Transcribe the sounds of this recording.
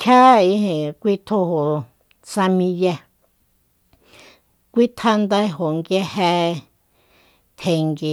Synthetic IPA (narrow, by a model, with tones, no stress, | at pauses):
kʰa˦i˧˦hẽ˨kʷi˦t̪ʰo˦ho˨ | sa˧mĩ˧lja˧ | kʷi˦t̪ʰa˦˧nd̪a˧˦ɦo˨ŋɡje˦hɛ˧ | t̪ʰe˨ŋɡi˨